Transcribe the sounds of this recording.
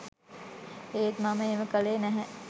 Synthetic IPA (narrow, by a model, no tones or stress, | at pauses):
eːet̪maməeːməkəleːnæɦɛ